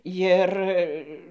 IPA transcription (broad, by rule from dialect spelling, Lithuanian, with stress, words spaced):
ˈjɪr